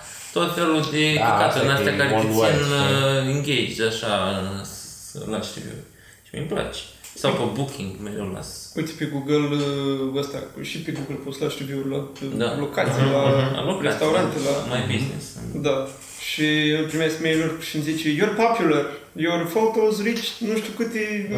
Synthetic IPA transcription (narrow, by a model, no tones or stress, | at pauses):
t̪ot̪felud̪eat̪nasʲakaɾeeineŋɡʲejd͡ʒd̪aʃaɨnslaʃt̪ivʲjṵ | ʃimḭmpla̰t͡ʃe̥sawpəbukʰʲiŋɡmelola̰sujt̪sʲpeɡuɡələst̪a̰ʃipeɡuɡəlpost̪laʃt̪evjulat̪d̪alokat̪sʲlaa̰lokɾest̪awɾant̪elamajbiznḛsd̪a | ʃiɨlpɾimeskmejlurʲʃimzit͡ʃejorpopʲjular | jorfot̪ozɾit͡ʃʲnuʃt̪ʲukɨt̪e